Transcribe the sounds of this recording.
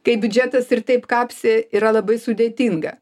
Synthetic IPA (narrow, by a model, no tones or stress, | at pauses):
kɐɪbʲʊd͡ʒʲæt̪ɐsɪrt̪ɐɪpkɑːpʲsʲɪiːɾɐlˠɐbɐɪsʊd̪ʲeːt̪ʲiŋɡɐ